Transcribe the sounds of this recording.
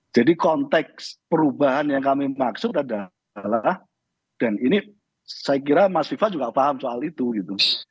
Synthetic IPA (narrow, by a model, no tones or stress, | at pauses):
d͡ʒadikɔnt̪ɛkspəɾubaɦanjaŋkamimaksʊt̪ada | lah | d̥anini | sajak̬iɾamasifad͡ʒuɡafaɦamsoalit̪uɡit̪u